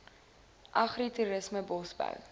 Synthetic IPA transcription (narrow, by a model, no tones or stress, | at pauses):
ʔɐχrituɾəsməbɔsbœ̰w